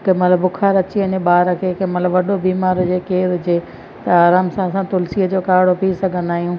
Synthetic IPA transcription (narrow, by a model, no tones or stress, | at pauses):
kemɐt̪ləbʊkʰaːɾɐt͡ɕiəɲeɓaːɾəkʰeːkẽmɐt̪ləbʋɐɗobiːmaːɾɦʊd͡ʑekeːɾɦʊd͡ʑe | t̪ɐaːɾaːmsãɐsãt̪ʊlsiːəd͡ʑoːkaːɪɽopiisɐɡʱən̆aːɦijũː